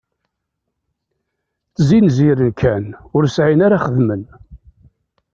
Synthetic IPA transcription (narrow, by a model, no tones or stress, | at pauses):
θzinziɾənkʰænʊɾsʕinaɾaχəðmən